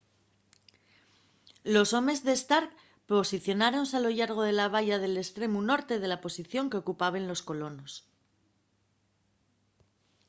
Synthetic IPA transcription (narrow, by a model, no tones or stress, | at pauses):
lo̞so̞me̞zðe̞st̪aɾk | po̞siθjo̞naɾo̞nsalo̞ʝaɾɣ̞o̞ð̞e̞laβ̞aʝaðe̞le̞st̪ɾe̞muno̞ɾt̪e̞ðe̞lapo̞siθjo̞ŋke̞o̞kupaβenlo̞sko̞lo̞no̞s